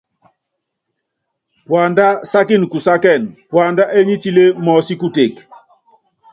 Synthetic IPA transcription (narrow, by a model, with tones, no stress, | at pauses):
pwa˨nda˦sa˦ki˦˨n˨ku˨sa˦kɛ˦˨npwa˨nda˦ʔe˦ɲi˦ti˦le˦mɔ˨si˦ku˦te˨k